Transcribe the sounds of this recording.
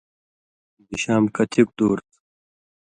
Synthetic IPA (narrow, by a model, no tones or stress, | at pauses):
niɕaːmkɐt̪ʰik̚d̪uːɾt̪